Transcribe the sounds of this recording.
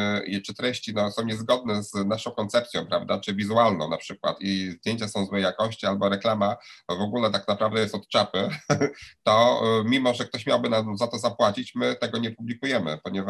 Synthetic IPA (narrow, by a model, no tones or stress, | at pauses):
t͡ʂɘt̪ɾɛɕt͡ɕinɔsɔ̃w̃ɲɛzɡɔd̪̚nɛznaʂɔ̃w̃kɔnt̪sɛp̚t̪sʲjɔ̃w̃pɾa̰vd̪at͡ʂɘvʲizualnɔ̰̃w̃napʂɘkwa̰t̪izd̪jeɲt͡ɕasɔ̃w̃zwɛjakɔɕt͡ɕialbɔɾɛklamavɔɡulɛt̪aknapɾavd̪ɛjɛst̪ɔt̪t͡ʂapɘ | t̪ɔmʲimɔʐɛk̚t̪ɔɕmʲjawbɘnazat̪ɔzapwat͡ɕit͡ɕmɘt̪ɛɡɔɲɛpublʲikujɛmɘ̰pɔɲɛva